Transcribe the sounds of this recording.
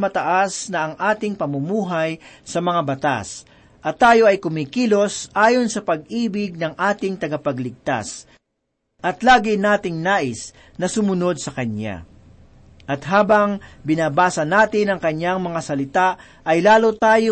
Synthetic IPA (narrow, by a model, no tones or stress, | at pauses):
mɐt̪ɐʔasnɐɐŋʔaːt̪ɪŋpɐmʊmuːɦɐjsɐmɐŋabɐt̪a̰s | ʔɐt̪ːaːjo̞ʔɐjkʊmikilo̞sʔaːjo̞nsɐpɐɡ̚ʔiːbɪɡ̚nɐŋʔaːt̪ɪŋt̪ɐɡɐpɐɡlɪɡ̚t̪a̰s | ʔɐt̪laːɡɪnaːt̪ɪŋnaːʔɪs | nɐsʊmʊno̞d̪̚sɐkɐnja̰ | ʔɐt̪ɦaːbɐŋbɪnaːbaːsɐnaːt̪ɪnɐŋkɐɲjaŋmɐŋasɐlɪt̪a | ʔɐjlaːlot̪aːjo